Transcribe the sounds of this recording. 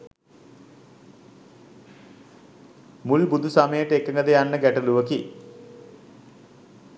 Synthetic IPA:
mulbud̪ʱusamejɐʈːekːɐŋɡɐðejaɳːɨkeʈːɐluʋɐki

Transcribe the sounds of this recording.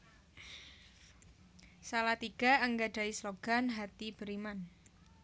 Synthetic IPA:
salat̪iɡ̥a̤ʔəŋɡaɖ̥a̤isloɡ̥a̤nɦat̪ib̥əɾiman

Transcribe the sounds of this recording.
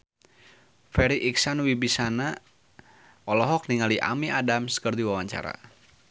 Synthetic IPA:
fɛɾiʔiksanwibisana | ʔɔlɔɦɔk̚niŋaliʔa̰miadamskərd̪iwawaɲt͡ʃa̰ɾa̰

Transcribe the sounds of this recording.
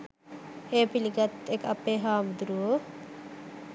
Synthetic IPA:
eːpiliɡat̪ekapːeːɦaːmud̪uɾuo

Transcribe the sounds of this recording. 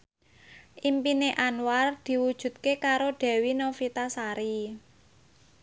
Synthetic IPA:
ʔimpineʔanward̪̥i̤wud̥ʒ̥ṳt̪̚kekaɾoɖ̪̥ɛ̤winofit̪asaɾi

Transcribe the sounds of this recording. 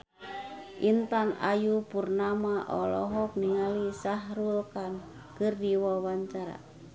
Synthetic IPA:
ʔint̪ana̰jupurnamaʔɔlɔ̰ɦɔk̚niŋalisaɦɾulkan | kɨrdiwawaɲt͡ʃaɾa̰

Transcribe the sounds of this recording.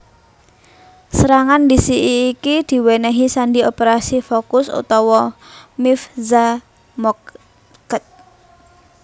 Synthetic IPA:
səɾaŋandisiʔiːkid̪̥i̤wɛnɛɦisandiopeɾasifokʊsṵt̪ɔwɔmɪfza | mɔ | kət̪̚

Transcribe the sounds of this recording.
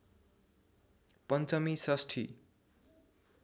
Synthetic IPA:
pʌnt͡sʌmisʌsʈʰḭ

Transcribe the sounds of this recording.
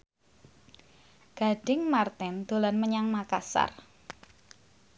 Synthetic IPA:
ɡ̥a̤ɖ̥ɪŋmart̪ɪnd̪̥olanməɲaŋmakasa̰r

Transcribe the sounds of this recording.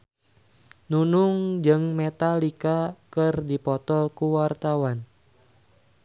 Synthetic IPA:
nunuŋd͡ʒɨŋmɛt̪alikakɨrdipɔt̪ɔkuwart̪awan

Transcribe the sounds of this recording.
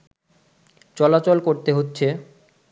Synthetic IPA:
t͡ɕɔlat͡ɕolkoɾt̪eɦotːɕʰe

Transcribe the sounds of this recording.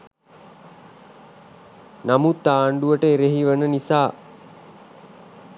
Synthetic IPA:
namut̪ːaːɳɖuʋəʈəeɾeɦiʋənənisaː

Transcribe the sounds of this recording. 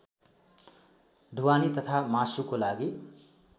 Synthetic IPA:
d̪ʱuwanit̪ʌt̪ʰamasukolaɡi

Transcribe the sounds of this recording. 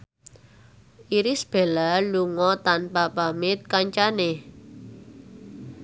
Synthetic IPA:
ʔiɾɪsb̥e̤laluŋɔt̪anpapamɪt̪̚kaɲt͡ʃane

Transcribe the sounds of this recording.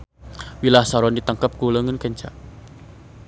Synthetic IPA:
wilahsaɾɔndit̪əŋkəp̚kuləŋənkɛɲt͡ʃa̰

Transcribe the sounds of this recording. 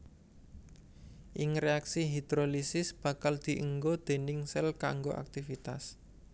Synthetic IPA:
ʔɪŋreaksiɦid̪ɾolisɪsb̥ä̤kald̪̥i̤ʔəŋɡod̪̥e̤nɪŋsɛlka̰ŋɡoʔa̰k̚t̪ifit̪as

